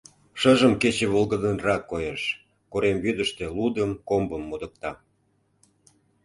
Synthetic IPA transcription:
ʃəʒəmket͡ɕeβolˠɣəd̪ənrɑkːojeʃ | koɾemβyd̪əʃt̪elud̪əmkombəmːod̪ək̚t̪ɑ

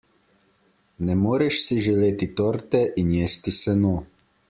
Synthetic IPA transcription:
nɛmoːɾɛʃsiʒɛleːt̪it̪oːɾt̪ɛʔinjeːst̪isɛnoː

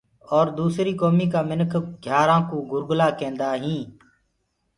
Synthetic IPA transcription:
ɔːɾd̪uːsɾiːkoːmiːkaːmɪnəkʰɡʱjaːɾãːkũːɡʊɾɡlaːkẽːnd̪aːɦĩː

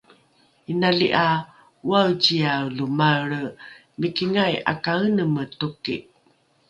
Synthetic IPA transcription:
inaliʔa | uawt͡ɕiawlumaɭə | mikiŋaja̰kaənəmətukḭ

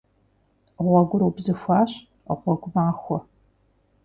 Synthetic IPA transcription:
ʁʷɔɡʷʊɾubzɨfʷaːɕ | ʁʷɔɡʷʊmaːxʷɔ

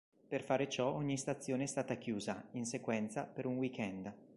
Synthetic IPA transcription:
perfaːɾet͡ʃɔɔɲːist̪at̪sːjoːneɛst̪aːt̪akjuːzainsekwɛnt̪sapeɾunwikɛnd̪

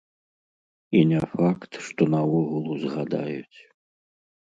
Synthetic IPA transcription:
inʲɛfakt̪ʂt̪ɔnɐɔɣulˠuzɣad̪a̰jut͡sʲ

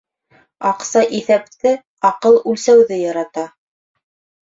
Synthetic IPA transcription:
ɑqsɑʔiθæp̚t̪ɘ | ɑqɤlˠʉlsæwðɘjɑɾɑt̪ɑ

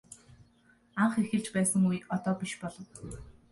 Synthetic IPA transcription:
aɴχexɘ̆ɮt͡ɕpæːsə̆ŋujɔt̪ɔːpiʃpɔɮɞ̆w

